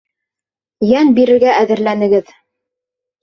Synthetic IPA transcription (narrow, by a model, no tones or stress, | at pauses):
jænbiɾɘ̆ɾɡæʔæðɘ̆ɾlænɘ̆ɡɘð